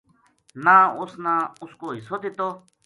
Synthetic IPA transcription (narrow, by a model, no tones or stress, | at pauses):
nãːʊsnãːʊskoːɦisot̪it̪oː